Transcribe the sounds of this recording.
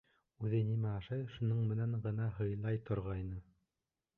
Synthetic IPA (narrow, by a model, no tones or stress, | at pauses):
ʉðɘnimæɑʃɑjʃunɤɴmɘ̆næɴʁɤ̆nɑɦɤ̆jlˠɑjt̪ʰŏɾʁɑjnɤ